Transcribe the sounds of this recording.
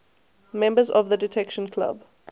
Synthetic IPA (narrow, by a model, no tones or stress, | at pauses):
mɛ̃mbəzɔ̰vðədɪtʰɛkʃə̃nkʰla̰b